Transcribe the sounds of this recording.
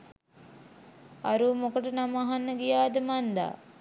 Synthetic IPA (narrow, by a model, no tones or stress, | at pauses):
aɾuːmokəʈənamaɦanːəɡijaːd̪əmand̪a̰ː